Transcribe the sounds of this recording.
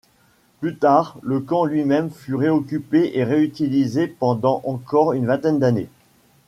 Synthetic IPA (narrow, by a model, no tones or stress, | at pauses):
plyt̪aʁləkɑ̃lɥimɛmfyʁeɔkʲypeʔeʁeyt̪ilizepɑ̃d̪ɑ̃ʔɑ̃kɔʁynvɛ̃t̪ɛnd̪anḛ